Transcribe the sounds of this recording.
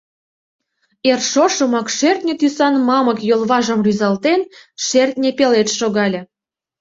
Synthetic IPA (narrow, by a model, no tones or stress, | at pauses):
erʃoʃə̆mɑkʃert̪nʲĕt̪ysɑnmɑməkjolβɑʒəmryzɑlt̪enʃert̪nʲepelet̪ʃoɣɑlʲĕ